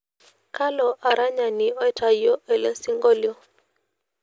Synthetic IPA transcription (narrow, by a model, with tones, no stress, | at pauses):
ka˦lɔ˨ʔa˨ɾa˦ɲa˨ni˨ɔ˦tʰa˨jɔ˦ʔɛ˨lɛ˦si˦ŋɡɔ˦ljɔ˦